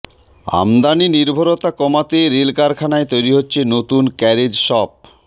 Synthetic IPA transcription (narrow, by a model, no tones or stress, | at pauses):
a̰md̪aniniɾbʱoɾot̪akɔmat̪eɾelkaɾkʰanaet̪ojɾiɦotːɕʰenot̪unkɛɾed͡ʑʃɔp̚